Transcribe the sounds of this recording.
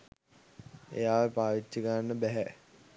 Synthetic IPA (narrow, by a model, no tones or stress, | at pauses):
ḛjaːʋəpaːʋit͡ɕːikəɾanːəbæɦɛ